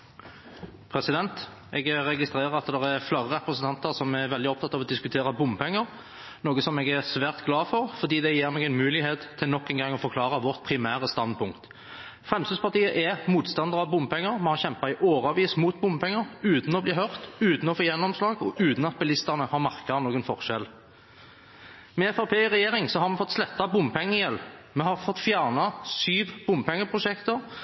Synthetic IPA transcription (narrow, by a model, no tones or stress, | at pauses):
pʰɾɛsɪd̪ɛnt̪ | ʔɛɡɾɛɡɪst̪ɾeːʁəɾɑt̪d̪ɛʁæɾflɑʁəɾɛpɾəsənt̪ʰɑnt̪əʁsɔmæʁʋɛld̪ɪɔp̚t̪ʰɑt̪ːɑːʋɔd̪ɪskʉt̪ʰeːɾɑbʊmpʰɛŋːəʁ | noːɡəsɔmɛɡæʁsʋæːʁt̪ɡlɑːfɔʁfɔʁd̪iːd̪ɛjeːɾmɛɡɛɪnmʉːlɪheːt̪ʰːɪlnɔkːɛnɡɑŋːɔfɔɾkʰlɑːɾɑʋɔʁt̪̚pʰɾɪmæːɾəst̪ɑnd̪pʰʊŋkt̪ | fʁɛmst̪yːd̪spɑʁt̪iːəʔɛmuːt̪st̪ɑnd̪əʁɑʋbʊmpʰɛŋːəʁmɛhɑʁçɛmpɑɪʔoːʁɑːʋiːsmuːt̪̚bʊmpʰɛŋːəʁʉːt̪n̩ɔbliːhœʁt̪ʉːt̪n̩ɔfoːjɛnːɔmslɑːɡɔʔʉːt̪n̩ɑt̪̚bɛlɪst̪əʁnəhɑʁmɑʁkɑənoːɡənfɔʁʃɛl | mɛɛfɑpʰeːɪʁɛjeːɾɪŋsɔɦɑɾmɛfɔt̪ːslɛt̪ːɑbʊmpʰɛŋːəjɛlmɛhɑʁfɔt̪ːfjæːʁnɑsyːʋb̥ʊmpʰɛŋːəpʰʁʊʃɛkt̪əʁ